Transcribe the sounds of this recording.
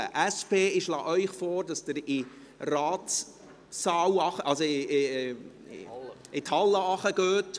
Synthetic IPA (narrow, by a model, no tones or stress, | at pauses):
ʔæspeːɪʃlɑ̰ːʔœʏχfoːɾdɑsd̥əɾɪ | rɑːt | sɑːwɑχəʔɑlso | ɪt̪hɑlːəɑχəɡ̥øːt